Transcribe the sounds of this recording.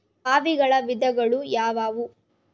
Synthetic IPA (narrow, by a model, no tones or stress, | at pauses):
aːʋiɡɐɭɐʋid̪ɐɡɐɭujaːʋaːʋu